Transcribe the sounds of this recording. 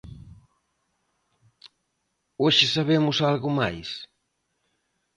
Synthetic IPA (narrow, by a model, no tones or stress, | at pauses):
oʃɪsaβemʊsalɣʊmajs